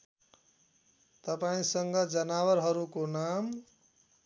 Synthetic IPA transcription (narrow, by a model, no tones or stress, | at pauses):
t̪ʌpaĩsʌŋɡʌd͡zʌnawʌɾɦʌɾukonam